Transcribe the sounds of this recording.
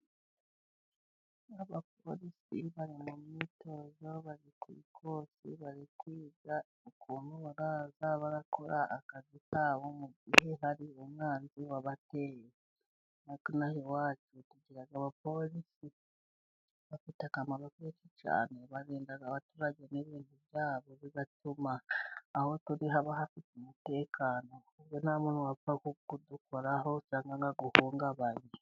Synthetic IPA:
aβap̚olisiβaɾimumitozo̞βaɾikwḭːkʰoːsḭβaɾikwiːza | okʰuːnuβaɾaːzaβaɾakoɾaʔːkazikaβo̞muiheɦaɾiomwaːnziwaβateje | nakunahewaːt͡ʃutuɟiɾaɡaβapo̞lisi | βafitakamaɾokeːcica̰ːneβaɾeːndaɡaβatuɾaɟeneβiːntuβjaːβo̞βiβatumaːho̞tuɾiɦaβaɦafitumute̞ːkʰaːno̞uβjonaːmunuwavakukudukoɾaɦo̞saːŋɡaŋɡaɡuhuːŋɡaβaɾi

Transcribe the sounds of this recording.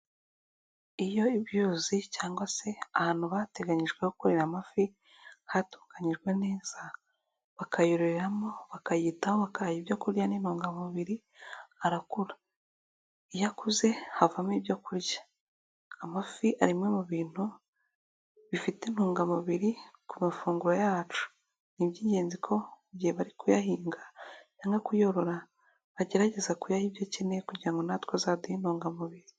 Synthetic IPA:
ijo̞iβjuːzicaːŋɡwase̞ahaːn̥huβate̞ɡaɲiʒɡwe̞hokuɾiɾamafi | hatu̥ːkaɲiʒɡwe̞neːz̥a | βakʰajoɾeɾamo̞βakajiːtaoβakaɾajibjo̞kuɾjaninhuːŋɡamuβiɾi | aɾakuɾa | ijakuze̞havamiβjo̞kuɾjḁ | amafiʔaɾimŋe̞muβiːn̥hu | βifiten̥hoːŋɡamuβiɾikumafuːŋɡuɾojaːt͡ʃu̥ | nibɟiːɲɟe̞ːnzikʰo̞uɟiheβaɾikujaɦiːŋɡaɲaːŋɡakujo̞ɾo̞ɾa | βaɟe̞ɾaɟe̞zakujahibjocine̞kuɾɟiɾaŋɡo̞natkwazaːdiinoːŋɡamuβiɾi

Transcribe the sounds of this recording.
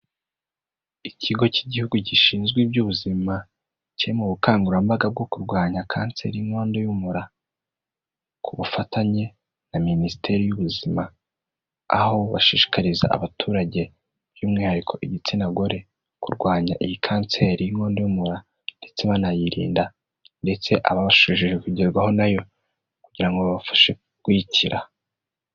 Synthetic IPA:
iciɡo̞ciɟihuɡuɟiʃiːnzɡwibɟuβuzima | ciɾimuβukaːŋɡuɾambaɡab̚ɡo̞kuɾɡwaːɲakʰaːnt͡se̞ɾijiŋo̞ːndojumuɾa | kʰuβufataɲe̞ | naminisi̥te̞ɾijuβuzimaː | ho̞βaʃiːʃi̥kaɾiza̰ʔa̰βatʰuːɾaɟe̞ | b̥juːmŋiːhaɾikʰo̞ʔiɟit͡sinaɡo̞ɾe̞ | kuɾɡwaːɲaʔijikʰaːnse̞ɾijiŋo̞ːndojumuɾa | nde̞t͡se̞βanajiɾḭːnda | nde̞t͡se̞ʔaβaβaʃuiʒiʒekuɟeɾɡwaho̞najo̞ | kuɟiɾaŋɡoβaβafḁʃe | kwiciɾʔa

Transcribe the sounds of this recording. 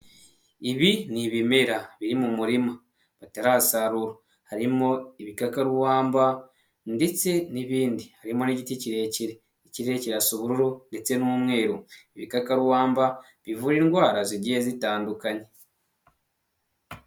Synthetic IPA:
iβiniβimeɾaβiɾimumuɾima | βataɾasaɾuɾo | haɾimo̞iβikakaɾwaːmba | nde̞t͡se̞niβiːndihaɾimo̞niɟiticiɾe̞ciɾe | ciɾe̞ciɾasuβuɾuɾonde̞t͡se̞numŋe̞ːɾoiβikakaɾwaːmba | βivuɾiːŋɡwaːɾaziɾɟijezitaːndukaɲe̞

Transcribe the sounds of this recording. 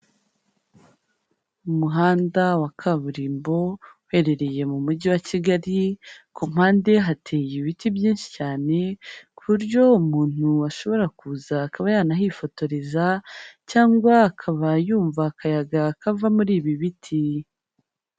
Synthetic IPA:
umuɦaːndawakʰaβuɾiːmbo̞we̞ːɾe̞ɾe̞je̞mumuɟiwaciɡaɾikum̥haːnde̞ɦatʰe̞ːjiβitibjiːnʃi̥caːne̞kʰuɾɟo̞umuːn̥huaʃo̞βo̞ɾakuːzaːkaβajaːnaɦifo̞to̞ɾezacaːŋɡwaːkʰaβajuːɱvakʰajaɡakavamuɾiːβiβitʰi

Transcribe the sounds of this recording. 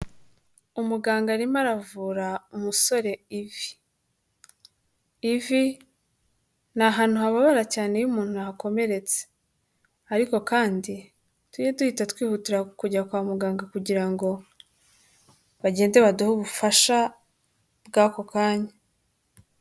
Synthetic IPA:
umuɡaːŋɡaɾimaɾavuːɾaumuso̞ɾe̞ivi̥ | vi | naɦaːn̥huhaβaβaɾacaːne̞jumuːnhunaɦako̞me̞ɾe̞t͡se̥ | aɾiko̞kaːndi | tujeduhitatwiːhutiɾakuɟakwaːmuɡaːŋɡakuɟiɾaŋɡo̞ | βaɟe̞ːnze̞βaduhuβufaʃa | b̚ɡaːkokaːɲa

